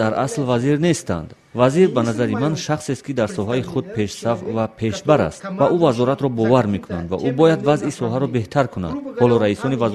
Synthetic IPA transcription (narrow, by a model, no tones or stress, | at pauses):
aɾaslvaziɾnest̪a̰nd̪ | vaziɾbanazaɾimanʃaχsest̪kid̪aɾsɔɦaiχud̪̚pʰe̞ʃsafvapʰe̞ʃbaɾa̰st̪vaʔuvazɔɾat̪ɾɔbɔvaɾme̞kʰuna̰nd̪va̰ʔubɔjad̪vazʔisɔɦaɾɔbe̞ht̪ʰaɾkʰuna̰d̪̥hɔlɔɾaisɔnivaz